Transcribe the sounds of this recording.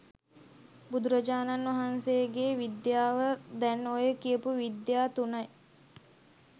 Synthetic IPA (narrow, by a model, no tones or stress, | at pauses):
bud̪uɾɐd͡ʒaːnanʋɐɦansejəɡeːʋid̪jaːʋəd̪ɛnːoːjəkijəpuʋid̪jaːt̪unɐj